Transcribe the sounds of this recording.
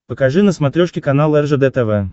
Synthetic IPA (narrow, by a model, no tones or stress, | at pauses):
pəkaʐɨnəsmat̪ɾʲoʂkʲɪkanalˠɛrʐəd̪ɛt̪ɛvɛ